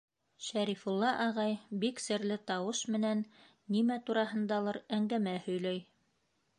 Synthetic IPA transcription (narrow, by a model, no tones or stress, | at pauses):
ʃæɾifulˠːɑʔɑʁɑjbiksɘ̆ɾlɘt̪ɑwɤʃmɘ̆nænː | imæt̪uɾɑɦɤ̆nd̪ɑlˠɑɾæŋɡæmæhɵ̆jlæj